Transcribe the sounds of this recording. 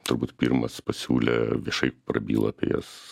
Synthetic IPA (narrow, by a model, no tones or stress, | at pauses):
t̪ʊrbuːt̪pʲirmɐspɐsʲuːlʲɛʋʲiɛʃɐɪpɾɐbʲiːlˠɐpʲḛjɛs